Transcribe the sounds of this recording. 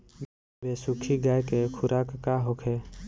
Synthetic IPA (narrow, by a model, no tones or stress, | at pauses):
beːsukʰiɡaːjkekʰʊɾʔaːkːaɦokʰe